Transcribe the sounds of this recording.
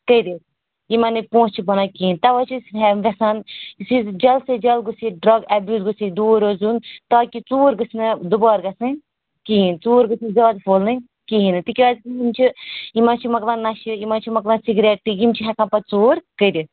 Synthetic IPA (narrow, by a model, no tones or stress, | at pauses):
kəid̪is | imɐnipõːst͡ʃʰibɐnakiint̪ɐʋaːt͡ʃʰisɦɛʋɛsanisizd͡ʒɐlsed͡ʒɐlɡusiɖɾɐɡɛbjuːt̪ɡusid̪uːɾozunt̪aːkit͡suːɾɡɨsnɨd̪ubaːɾɡɐsɨ̃ | kiɦĩnt͡suːɾɡɨsĩzɐːd̪fʰoːlnɨ̃ | kiɦinɨt̪ikʲiaːzkijimt͡ʃʰiimãt͡ʃʰimɐklãːnɐʃiimãt͡ʃʰimɐklãːnsiɡɾeːʈ̚ʈijimt͡ʃʰiɦɛkʰãːpɐt͡suːɾkəd̪is